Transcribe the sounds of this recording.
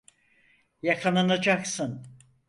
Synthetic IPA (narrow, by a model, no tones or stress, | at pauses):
jakʰananad͡ʒaksɯn